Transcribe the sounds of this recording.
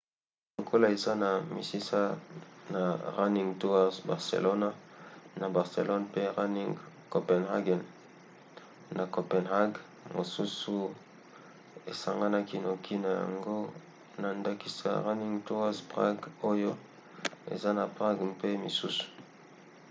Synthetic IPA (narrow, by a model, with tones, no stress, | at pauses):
lo˨kʰo˦la˦˨e˨za˦na˨mḭ˨si˦sa˦na˨ʁa˦ni˦ŋɡto˦wa˦zba˨ʁsḛ˨lo˦na˦na˨ba˨ʁsḛ˨lo˦npe˦ʁa˦ni˦ŋ | ko˨pɛ˨nha˦ɡɛ˨n | na˨ko˨pɛ˨nha˦ɡ | mo˨su˦su˨ | e˨sa˨ŋɡa˦na˦ki˦no˨kʰi˦na˨ja̰˨ŋɡo˦ | na˨nda˦ki˦sa̰˨ʁa˦ni˦ŋɡtu˦a˦zpʁa̰˦ɡo˦jo˦ | ḛ˨za˦na˨pʁa˦ɡpe˦mḭ˨su˦su̥˨